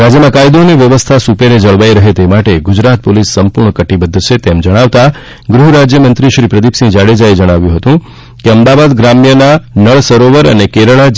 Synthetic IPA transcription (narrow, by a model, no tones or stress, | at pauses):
ɾad͡ʒjəmãkajd̪oniʋjəʋəst̪ʰasupeɾed͡ʒəɭʋajɾəɦet̪emaʈeɡʊd͡ʒɾat̪̚polisːəmpuɾɳəkəʈibəd̪ʱːt͡ʃʰet̪ɛmd͡ʒəɽ̃aʋt̪a | ɡɾuɦɾad͡ʒjəmənt̪ɾiʃɾipɾəd̪ipsĩd͡ʒaɽed͡ʒaed͡ʒəɽ̃aʋjũɦət̪ũ | keəmd̪aʋad̪ɡɾamjənanəɭsəɾoʋəɾə̰nekeɾəɭa